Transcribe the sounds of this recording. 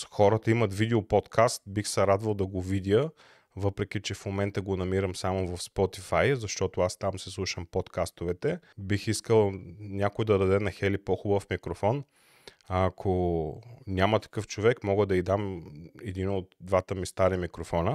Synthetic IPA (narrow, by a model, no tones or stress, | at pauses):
xɔɾət̪əimɐt̪vid̪ɛopɔt̪kʰast̪bixsɐɾad̪vɐlˠd̪ɐɡovid̪ʲjə | vɤpɾɛk̟ʲit͡ʃɛfmomɛnt̪əɡonɐmiɾəmsamovɐfspɔt̪ifajzɐʃt̪ɔt̪oast̪amsɛslˠuʃəmpɔt̪kast̪ovɛt̪ɛbixiskəlˠnʲakoid̪ɐd̪ɐd̪ɛnɐxɛlipoxubəfmikɾofɔn | akʰo | nʲamət̪ɐ̥kɤft͡ʃovɛkmɔɡəd̪ɐid̪amɛd̪inot̪d̪vat̪əmist̪aɾimikɾofɔnə